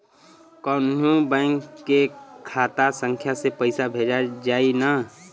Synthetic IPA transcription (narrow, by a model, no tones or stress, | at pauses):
kɔnnũbɛ̃ŋkːekʰaːt̪asə̃ŋkʰjasepəɪsabʱed͡ʒad͡ʒaːina